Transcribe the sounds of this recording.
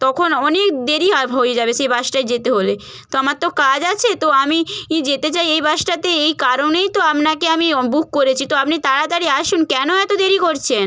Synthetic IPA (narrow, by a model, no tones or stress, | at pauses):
t̪ɔkʰonɔnekd̪eɾiɦɔebʱojed͡ʑabeʃejbaʃʈajd͡ʑet̪eɦole | t̪oamaɾt̪okad͡ʑat͡ɕʰet̪oamiid͡ʑet̪et͡ɕajejbaʃʈat̪eejkaɾonejt̪oamnakeamibuk̚koɾet͡ɕʰit̪oapnit̪aɾat̪aɾiaʃunkɛnoɛt̪od̪eɾikoɾt͡ɕʰen